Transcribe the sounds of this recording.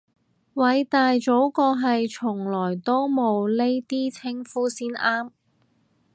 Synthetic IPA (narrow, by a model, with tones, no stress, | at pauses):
wɐ˨˧jt̪aː˨jt͡so˨˥wkɔː˧ɦɐ˨jt͡ʃʰʊ˨˩ŋlɔː˨˩jt̪o˥wmo˨˧wle˥jt̪iː˥t͡sʰɪ˥ŋfuː˥siː˥nʔaː˥m